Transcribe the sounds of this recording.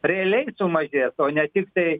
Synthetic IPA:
ɾʲɛɐlʲɛɪsʊmɐʒʲeːsoːnʲɛt̪ʲɪkt̪ɐɪ

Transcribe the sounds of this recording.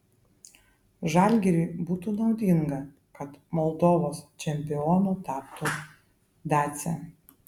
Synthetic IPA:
ʒɑːlʲɡʲɛɾʲɪːbuːt̪uːnɒʊd̪ʲɪŋɡɐ | kɐt̪mɔlˠd̪oːʋoːst͡ʃʲɛmʲpʲɪɔːnuːt̪ʲɑːpt̪u | d̪ɑːt̪sʲɛ̰

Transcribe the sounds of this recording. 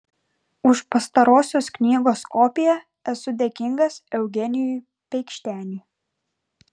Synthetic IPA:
ʊʃpɐst̪ɐɾoːsʲoːsknʲiːɡoːskɔːpʲɪjɛ | ɛsʊd̪ʲeːkʲɪŋɡɐsɛʊɡʲɛnʲɪjuˑ | pʲɛɪkʃʲt̪ʲæːnʲiː

